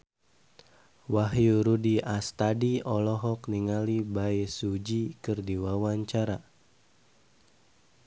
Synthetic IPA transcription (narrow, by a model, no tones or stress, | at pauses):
waɦjuɾudiast̪adiɔlɔɦɔkniŋalibaesud͡ʒikɨrdiwawaɲt͡ʃaɾa